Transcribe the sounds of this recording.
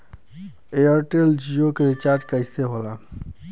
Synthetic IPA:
eəɾʈeld͡ʒijokeɾit͡ʃaɾd͡ʒkəɦseɦola

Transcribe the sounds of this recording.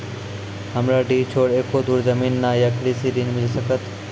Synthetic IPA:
ɦəmɾaɖiːt͡ʃʰoːɽeːkod̪uːɾzəmiːnːajaklisiɾinmɪlsəkət̪

